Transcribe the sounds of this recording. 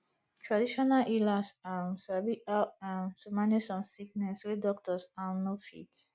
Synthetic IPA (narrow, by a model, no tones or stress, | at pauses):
tʰɹadiʃɔnalʔilasamsabiaãnsumanisɔ̃msiknɛswidɔk̚tɔsãnofḭt